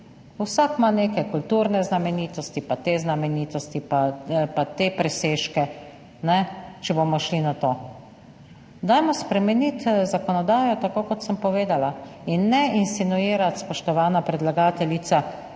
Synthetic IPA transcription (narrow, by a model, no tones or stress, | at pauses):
usakmaneːkɛkult̪uːɾnɛznamɛniːt̪ɔst̪ipat̪eznamɛniːt̪ɔst̪ipapat̪eːpɾɛseːʃkɛ | nɛt͡ʃɛboːmɔʃlinat̪oː | d̪ajmɔspɾɛmɛnit̪zakɔnɔd̪aːjɔt̪akoːkɔt̪səmpɔʋeːd̪alainːɛinsinuiːɾat̪spɔʃt̪ɔʋaːnapɾɛd̪laɡaːt̪ɛlit̪sa